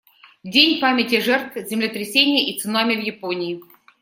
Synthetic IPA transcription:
dʲenʲpamʲɪtʲɪʐɛrt̪vzʲɪmlʲɪt̪ɾʲɪsʲenʲɪjəʔit̪sɨnamʲɪvjɪponʲɪː

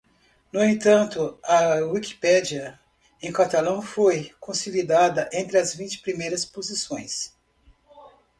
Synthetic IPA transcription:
nʊẽt̪ɐ̃nt̪ʊɐwiki̥pɛd͡ʒiɐ | ẽj̃kat̪alɐ̃w̃fojkõsilid̪ad̪ɐʔẽnt̪ɾɪɐzvĩnt͡ʃɪ̥pɾimejɾɐspozisõj̃s

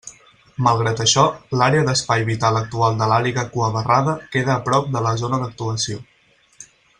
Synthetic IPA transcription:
məlˠɣɾat̪əʃɔlaɾeəðəspajβit̪alək̚t̪ualˠd̪əlaliɣəkuəβəraðəkeðəːpɾɔp̚d̪ələzonəðək̚t̪uəsio

